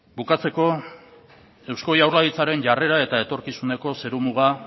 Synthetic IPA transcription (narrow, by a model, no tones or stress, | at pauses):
bukat͡se̞ko̞ | e̞wsko̞jawɾlaðit͡saɾe̞nʝare̞ɾae̞t̪ae̞t̪o̞ɾkisune̞ko̞se̞ɾumuɣ̞a